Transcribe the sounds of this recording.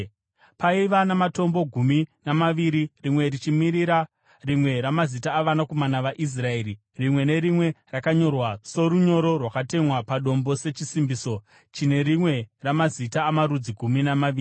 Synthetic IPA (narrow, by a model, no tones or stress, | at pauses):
paiʋanamato̞mbo̞ɡʱuminamaʋiɾirimwe̞rit͡ʃimiɾiɾa | rimwe̞ɾamazitaːʋanako̞manaʋaʔis̬rae̞ːɾi | rimwe̞ne̞ɾimwe̞rakaɲo̞rwaso̞ɾuɲo̞ɾo̞rwakate̞mwapaɗo̞mbo̞se̞t͡ʃisimbiso̞ | t͡ʃine̞ɾimwe̞ramazitaːmaɾud͡ziɡʱuminamaʋiːri